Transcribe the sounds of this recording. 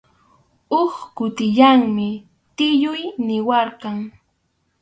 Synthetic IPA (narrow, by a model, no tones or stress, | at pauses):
oχkʊt̪ɪʎaŋmɪ | t̪ɪʎʊjnɪwɑɾkɑŋ